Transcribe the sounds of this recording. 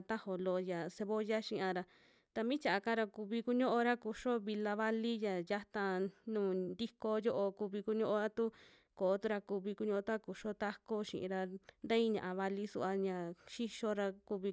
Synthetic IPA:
t̪a˦ho˨lo˧ja˨se˧βo˦ja˦ʃĩ˦˧ã˧ɾa˧ | t̪a˧mĩ˦t͡ʃa˨ʔa˧ka˦ɾa˧ku˧βi˧ku˧ɲõ˦ʔo˧ɾa˦ku˧ʂo˦βi˧la˧βa˧li˦ja˨ja˦t̪ã˧nũː˨nd̪i˦ko˧jo˦ʔo˧ku˧βi˧ku˧˦ɲõ˦ʔo˧ɾa˦t̪u˦ | ko˨o˦t̪u˦ɾa˧ku˧βi˧ku˧ɲõ˧ʔo˧t̪a˦ku˧ʂo˦t̪a˦ko˦ʃḭ̃˨ʔḭ̃˧ɾa˧nd̪ã˦ĩ˦ɲã˨ʔa˨βa˧li˧sṵ˧ʔa˧ɲã˨ʃi˦ʃo˧ɾa˧ku˧βi˧

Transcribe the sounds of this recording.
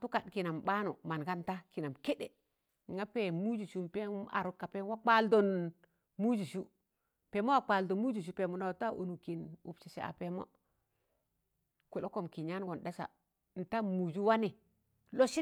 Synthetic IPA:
tu˦ka˨dki˨na˨mɓa˦nu˨ma˨nka˦n˦ta˦ki˨na˨mke˦ɗe˨ | ŋa˦pe˨mu˦d͡ʒu˨ʃu˦mpe˦a̰˨ɾu˦kːa˨pe˦wa˦k͡pa˦ldo˨n | mu˦d͡ʒu˨ʃu˦ | pe˨mo˦wa˨k͡pa˨ldo˨mu˦d͡ʒu˨ʃ̬u˦pe˨mu˨na˨wta˦ʔo̰˨nu˨ki˨nṵ˨pt͡ʃe˨sḛ˨a̰˨pe˨mo̰˦ | ku˨lo˦ko˨mki˨ɲa˦n˦ɡo˨nɗa˦sa̰˨ | n̩˨ta˦mu˨d͡ʒu˦wa˦ni˨ | lo˦ʃi˦

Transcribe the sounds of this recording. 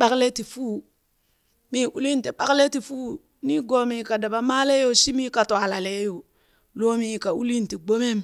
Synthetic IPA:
ɓa˦kle˦ti˨fuː˦ | mi˦ʔu˦li˦n˦ti˨ɓa˦kle˦ti˨fu˦ | ni˦ɡoː˦mi˨ka˨da˨ba˨maː˦le˦jo˦si˦miː˦ka˨to˨a˨la˨le˦jo˨ | loː˦mi˦˨ka˨u˦li˦nti˨ɡ͡bo˦me˦m

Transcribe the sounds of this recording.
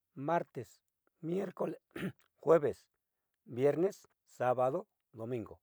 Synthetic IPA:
ma˦ɾt̪e˨s | mje˦ɾko˧˦le | xwe˦be˨s | bje˦ɾne˦sː | a˦ba˧d̪o˦ | d̪o˨mĩ˧ŋɡo̰˨

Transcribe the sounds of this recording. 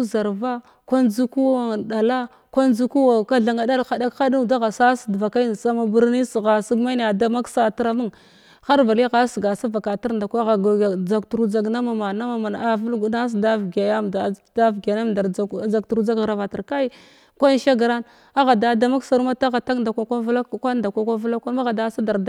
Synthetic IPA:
u˦za˨ɾva˦ | kʷa˦nd͡zu˦ku˦wa˨da˨la˦ | kʷa˦nd͡zu˦ku˦wa˨ka˦ɮa˨ŋa˨da˦lxa˨da˦ka˦du˦da˦ɣa˨sa˦sdva˨ka˦n˨sa˦ma˦bu˦ɾni˦sɣa˨si˦ɡma˦n˨a˨da˦ma˦ksa˨ti˦ɾa˦mu˦ŋ | xa˦ɾva˨li˦ɣa˦sɡa˨sa˦va˨ka˨ta˦ɾnda˨kʷa˦ɣa˨ɡd͡za˨ktu˨ɾu˦d͡za˨ɡna˦ma˨ma˨a˦ma˨ma˨n˨a˨vu˦lɡu˨˦na˦s̬da˦vɡa˨ja˦da˨da˦vɡa˨na˦mda˨ɾd͡za˨k̚tu˨ɾu˦d͡za˦ɡɣɾa˨va˨ta˨ɾka˦i˦ | kʷa˦n˦ʃa˦ɡɾa˦n | a˦ɣa˨da˨da˦ma˦ksa˨ɾu˦ma˦ta˦ɣa˨ta˦nda˨kʷa˨kʷa˦vla˦˨kʷa˦da˨kʷa˨kʷa˦vu˦la˦kʷa˦ma˦ɣa˨da˨˦sa˦da˨ɾ

